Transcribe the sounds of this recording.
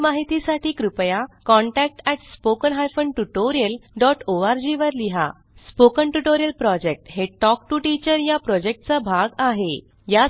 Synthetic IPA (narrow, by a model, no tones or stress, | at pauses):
maɦit̪isaʈʰiːkɾupjakɔ̃ɳʈæk̚ʈɛʈspokənɦajfəɳʈuʈoɾijəlɖɔʈʰoaɾd͡ʑiʋəɾliɦa̰ | spokəɳʈuʈoɾijəlpɾɔd͡ʑek̚ʈɦeʈɔkʈuʈit͡ɕəɾjapɾɔd͡ʑek̚ʈt͡sabʱaɡaɦe | ja